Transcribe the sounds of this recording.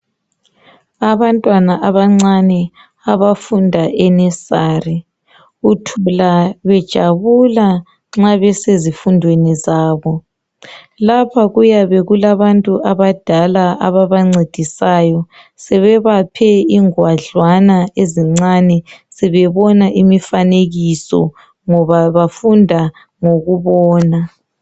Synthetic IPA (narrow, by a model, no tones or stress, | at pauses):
aβantʼwanaʔaβaŋ͡ǀanɛ | aβafundʱaʔɛnɛsaːri | utʰulaβɛd̥ʒ̥ʱaβula | ŋ͡ǁaβɛsezifundʱwenizaːβɔ | lapʰaɣujaβɛɣulaβantʼuʔaβad̥ʱalaʔa̰βaβaŋ͡ǀed̥ʱisaːjɔ | sɛβɛβapʰɛiŋwaɮwanaeziŋ͡ǀanɛsɛβɛβɔnaʔimifaneɣisɔ̰ | ŋɔβaβafundʱa | ŋoɣuβɔːna